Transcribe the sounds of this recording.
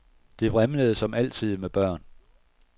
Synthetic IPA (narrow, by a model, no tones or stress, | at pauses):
d̥e̝ʋʁamləð̞̩ˠsɒ̽mæl̰t͡sʰið̞̰ˠmeb̥ɶɐ̰n